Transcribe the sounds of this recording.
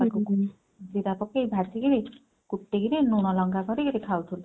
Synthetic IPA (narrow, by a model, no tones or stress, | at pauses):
akɔku | d͡ʒiɾapɔkːejbʱaɾsʰiɡiɾi | kuʈːeɡiɾinuɽ̃ɔlɔŋɡakɔɾiɡiɾikʰawt̪ʰul